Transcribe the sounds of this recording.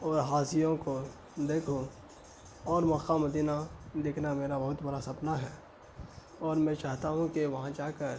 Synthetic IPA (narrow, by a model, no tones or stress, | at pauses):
ɔːɾɦaːsijõko | d̪eːkʰũ | ɔːɾmɔːkaməd̪iːnad̪eːkʰnameːɾabɐɦʊt̪bɐɾasɐpnaɦɛː | ɔːɾmɛ̃ːt͡ʃaːɦt̪aɦũkeʋɐɦãd͡ʒaːkəɾ